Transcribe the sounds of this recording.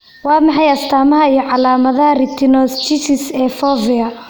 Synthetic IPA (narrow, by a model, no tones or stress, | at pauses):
wɑːmɑħɑjɐst̪ʰaːmɐɦɐijɞʕɑlaːmɐðɐɦɐrɪt̪ʰɪnɔːst͡ʃɪsɪsɛːfɔːvɪɐ